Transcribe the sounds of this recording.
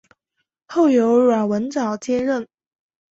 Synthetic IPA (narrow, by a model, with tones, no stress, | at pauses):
xo˥˩ʊjo˧˥ʊɻwa˨˩wə˧˥nt͡sɑ˨˩ʊt͡ɕjɛ˥nɻə˥˩n